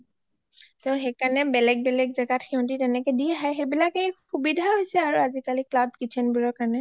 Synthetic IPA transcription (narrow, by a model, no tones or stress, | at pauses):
t̪oɦekanɛbɛlɛk̚bɛlɛk̚zɛɡatʰɛʊ̃nʈitɛnɛkɛdijaɦajɦebilakexubid̪ʱaɦojsɛaɹuazikaliklabkit͡ʃʰɛnbiɹɔkane